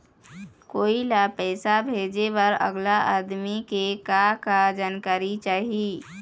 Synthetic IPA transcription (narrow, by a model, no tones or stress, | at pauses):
koːilapɛːsabʱeːd͡ʒebəɾə̰ɡlaʔaːd̪mikekakad͡ʒaːnkaːɾit͡ʃaːɦii